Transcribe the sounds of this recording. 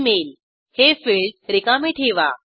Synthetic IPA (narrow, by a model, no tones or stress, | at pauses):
mel | hefiɭɖɾikameʈʰeʋa̰